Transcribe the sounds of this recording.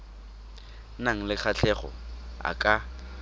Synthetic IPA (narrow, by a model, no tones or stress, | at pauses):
naŋ̩lɪk͡xʰat͡ɬʰɛχɔ̰a̰kʼa